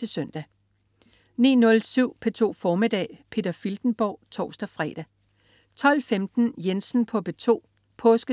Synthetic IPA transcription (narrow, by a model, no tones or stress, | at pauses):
e̝sœn̰d̥æ | nḭːnɔ̽lsyʊ̰pʰet͡sʰo̝̰ːfɒːmid̥ɛ̰ːpʰe̝̰ːd̥ɐfild̥n̩b̥ɒ̰ːt͡sʰɒ̰ːsd̥ɐfʁɛ̰ːd̥æ | t͡sʰɒ̽l̰femd̥n̩jensn̩pʰɒ̽b̥e̝t͡sʰo̝̰ː | pʰɔ̽ːsɡ̥ə